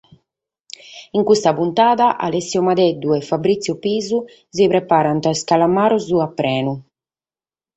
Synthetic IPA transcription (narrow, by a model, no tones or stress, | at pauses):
iŋkust̪apunt̪aːðaʔa̰lɛsːiɔmad̪ɛd̪ːuɛfabɾit̪sjupiːzu | zipɾɛpaːɾant̪askalamaːɾɔzuapːɾɛːnu